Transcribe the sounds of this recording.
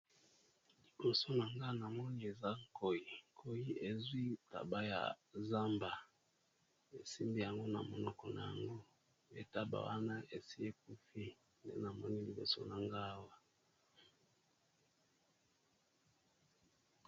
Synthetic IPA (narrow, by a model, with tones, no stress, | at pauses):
li˨bo˨so˦na˨ŋɡa˦na˨mɔ˦ni˦e˨za˦ko˨ji˨kʰo˨ji˦e˨zwi˦ta̰˨ba˦ja̰˨za˦mba˨ | e˨si˦mbi˦ja˨ŋɡo˦na̰˨mo˨nɔ˦kɔ˨na̰˨ja̰˨ŋɡo˦ | ḛ˨ta˦ba̰˨wa˦na˦e˨si˦e˦k̚u˦fi˦ | ndḛ˦na˨mɔ˦ni˦li˨bo̰˨so̰˦na˨ŋɡa˦wa˦